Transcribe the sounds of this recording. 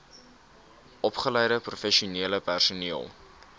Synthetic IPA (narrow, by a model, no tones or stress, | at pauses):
ʔɔpχəlɛjɾəprufɛʃiuniələpærsuniəlˠ